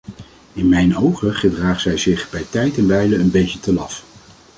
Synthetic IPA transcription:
ɪnmɛjnowχəχədraːχz̥ɛjzɪχbɛjtɛjtɛnbɛjləənbejcətəlɑf

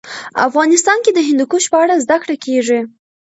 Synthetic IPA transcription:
a̰fɣɑnɪst̪ɑnked̪əɦɪnd̪ukuʃpəaɽazd̪akɽakeʐi

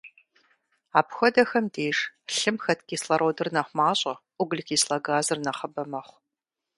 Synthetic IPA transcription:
aːpxʷɔdɐxɐmdeːʂɬɨmxɐtʰkʲʼiːslɐɾʔoːdɨrnɐχʷmaːɕʼɐʔʷʊɡɨlkʲʰiːslɐɡaːzɨrnɐχɐbɐmɐχʷ

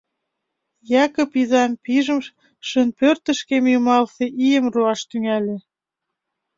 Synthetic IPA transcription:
jɑkə̆pizɑmpiʒə̆mʃ | ʃənpørt̪ə̆ʃkemjumɑlseʔijəmruɑʃt̪yŋælʲĕ

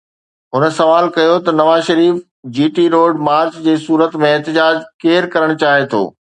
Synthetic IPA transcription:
ɦʊnə̆sɐʋaːlkɐjot̪ɐnɐʋaːzʃɐɾiːf | d͡ʑiːʈiɾoːɖmaːɾt͡ɕd͡ʑeːsuːɾət̪mẽɛɦt̪ɪd͡ʑaːd͡ʑkeːɾkɐɾəɽ̃ʊt͡ɕaːɦet̪ʰo̰ː

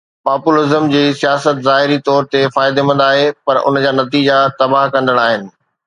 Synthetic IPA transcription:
paːpulɪzəmd͡ʑiːsijaːsət̪zaːɦɪɾit̪ɔːɾt̪efaːɪd̪emɐ̃nd̪aːɦepɐɾʊ̰nd͡ʑaːnɐt̪iːd͡ʑat̪ɐbaɦkɐ̃nd̪əɽ̃aːɦɪnɪ̆

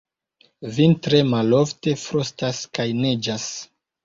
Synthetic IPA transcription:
vintɾe̞malofte̞fɾostaskajned͡ʒas

